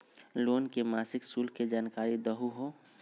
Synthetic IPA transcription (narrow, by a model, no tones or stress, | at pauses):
loːnkemaːsɪkskuːlked͡ʒaːnkaːɾid̪əɦuɦoː